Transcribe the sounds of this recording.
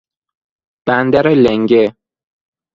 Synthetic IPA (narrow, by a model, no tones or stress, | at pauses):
b̥ænd̪æɾeleŋɡe